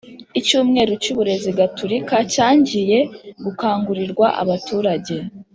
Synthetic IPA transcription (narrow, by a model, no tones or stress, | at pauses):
icuːmŋe̞ːɾocuβuɾe̞ziɡatʰuɾikacaːɲɟije̞ɡukaːŋɡuɾiɾɡwaʔa̰βatuːɾaɟe̞